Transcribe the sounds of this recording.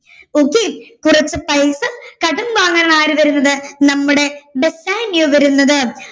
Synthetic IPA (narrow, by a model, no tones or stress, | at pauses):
oːkːikurɐt͡ɕːɨpɐjsɨkɐɽumʋaːŋɡɐɾɐɳaːɾɨʋɐɾunːɐðɨnɐmːuɽe̞besaːnjuʋɐɾunːɐðɨ